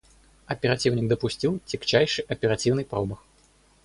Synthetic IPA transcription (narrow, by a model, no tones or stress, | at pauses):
ɐpʲɛɾat͡sʲiwnʲiɡ̚d̪ɐpusʲt͡sʲiwt͡sʲikt͡ʃajʂɨʔɐpʲɛɾat͡sʲiwnɨjpɾɔbɐx